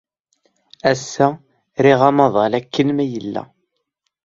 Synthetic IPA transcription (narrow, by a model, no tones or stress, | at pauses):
æsːæ | ɾiʁɑmɑðˤɑlækːənmæjəlːæ̰